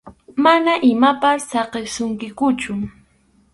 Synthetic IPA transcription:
manaʔɪmapasːɑqesʊŋkɪkʊt͡ʃʊ

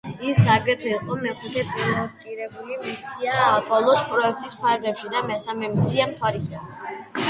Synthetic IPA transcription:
isaɡɾɛt̪ʰɛiqʼɔmɛχut̪ʰɛpʼivɔkʼiɾɛbulimisiaːpʼɔlˠɔspʼɾɔɛk̚ʰt̪ʼispʰaɾɡlɛpʃid̪amɛsamɛmt̪sʰiamt̪ʰwaɾisa

